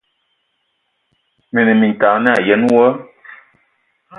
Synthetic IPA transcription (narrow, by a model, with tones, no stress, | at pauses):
mə˨nə˨mi˨ta˨˦na˦˨jɛ˨˦n˦wɔ˦